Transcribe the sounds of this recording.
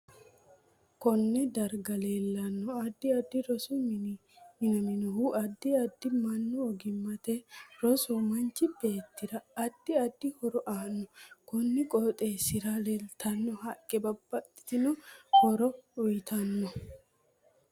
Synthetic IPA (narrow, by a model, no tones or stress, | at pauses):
kɔnːɛd̪ɐɾɡɐle̞ːlːɐnːɔɐd̪ːɪɐd̪ːɪɾɔsu | mɪnɐmɪnɔhuʔɐd̪ːɪɐd̪ːɪmɐnːʊɔɡɪmːɐt̪ɛɾɔsɔmɐnt͡ʃːɪbe̞ːt̪ːɪdɐːd̪ːɪɐd̪ːɪhɔɾɔʔaːnːɔkɔnːɛkʼɔt̪ʼe̞ːsɪɾɐlelt̪ɐnːɔhɐkʼːɛbɐbːɐt̪ʼːɪ̥t̪ɪnɔhɔɾɔʊjɪt̪ʰɐnːɔ